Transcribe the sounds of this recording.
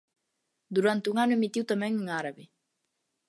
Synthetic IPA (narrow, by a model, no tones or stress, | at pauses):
d̪uɾant̪euŋanuemit̪iwt̪amɛ̃ŋuŋaɾaβi